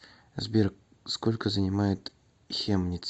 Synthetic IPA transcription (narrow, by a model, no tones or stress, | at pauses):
zbʲerk̚ | skolʲkəzənʲɪmajɪt̪ | xʲemnʲɪt̪s